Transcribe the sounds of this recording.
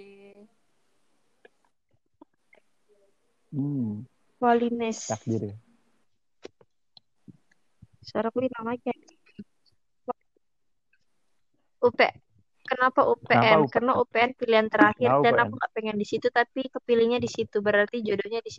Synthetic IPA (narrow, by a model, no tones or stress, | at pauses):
kwalinɪs | soɾakulinamaɡai | wa | upe | kənapaʔupeɛnkarnaupeɛnpiliɦant̪əɾahɪrdanakuŋɡaʔpeŋɛndisit̪ut̪apikəpiliɲadisit̪ubəɾart̪id͡ʒodoɲadisi